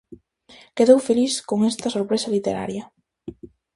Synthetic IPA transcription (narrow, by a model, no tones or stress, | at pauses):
keðowfeliskoŋest̪ɐsoɾpɾesɐlit̪eɾa̰ɾjɐ